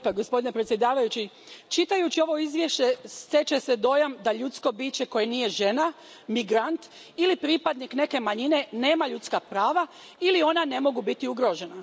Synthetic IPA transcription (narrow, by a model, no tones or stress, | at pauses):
paɡo̞spo̞d̪ine̞pɾet̪sʲje̞d̪aːʋajut͡ɕi | t͡ʃit̪ajut͡ɕio̞ʋo̞izʋje̞ʃe̞st̪e̞t͡ɕe̞se̞d̪o̞jamd̪aʎut̪sko̞biːt͡ɕe̞ko̞jeniːje̞ʒe̞na | miɡɾant̪ | ilipɾipad̪nikne̞ke̞maɲine̞ne̞ːmaʎut̪skapɾaːʋa | ilio̞nane̞mo̞ɡubit̪iuɡɾo̞ʒe̞na